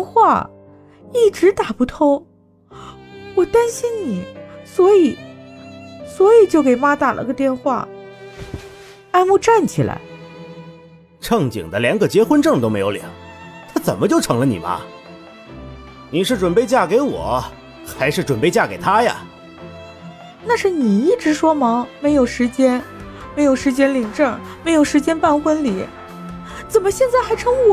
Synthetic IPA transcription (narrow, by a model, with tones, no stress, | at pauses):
xwa̰˥˧˩ | i˥˩ʈ͡ʂɻ̩˧˥t̪a˨˩pu˥˩t̪ʰo˥ŋ | wɔ˨˩t̪a˥nɕi˥nni˨˩˦swɔ˧˥i˨˩˦ | swɔ˧˥i˨˩t͡ɕjo˥˩ʊke˨˩ɪma˥t̪a˨˩lʔə̰˧˥ɡə˧t̪jɛ˥˧nxwa̰˥˩ | a˥˧ɪmu˥˧ʈ͡ʂa˥˩nt͡ɕʰi˨˩la̰˧˥ɪ | ʈ͡ʂʰɤ˥˩ŋt͡ɕḭ˨˩ŋd̪ə˦ljɑ˧˥ŋɡə˧t͡ɕjɛ˥xwə˥nʈ͡ʂɤ˥˩ŋt̪o˥ʊme˧˥ɪjo˧˥ljɛ̰˨˩˦ŋt̪ʰa˥t͡sə̰˨˩nmə˦t͡ɕjo˥˩ʊʈ͡ʂʰɤ˧˥ŋlə˧nḭ˨˩mɐ̰˧˦ | ni˨˩ʂɻ̩˥˩ʈ͡ʂwə˨˩npe˥˧ɪt͡ɕja˥˩ke˧˥ɪwɔ̰˨˩˦ | xa˧˥ɪʂɻ̩˥˩ʈ͡ʂwə˨˩npe˥˧ɪt͡ɕja˥˩ke˨˩ɪt̪ʰa˥ja̰˨ | na˥˧ʂɻ̩˥˩ni˨˩i˥˩ʈ͡ʂɻ̩˧˥ʂwɔ˥mɑ˧˥ŋme˧˥ɪjo˨˩ʊʂɻ̩˧˥t͡ɕjɛ˥nme˧ɪjo˨˩ʊʂɻ̩˧˥t͡ɕjɛ˥nli˨˩ŋʈ͡ʂɤ˥˩me˧˥ɪjo˨˩ʊʂɻ̩˧˥t͡ɕjɛ˥npa˥˧nxwə˥nli˨˩˦ | t͡sə˨˩nmə˦ɕjɛ˥˧nt͡sa˥˩ɪxa˧˥ɪʈ͡ʂʰɤ˥ŋu˥˩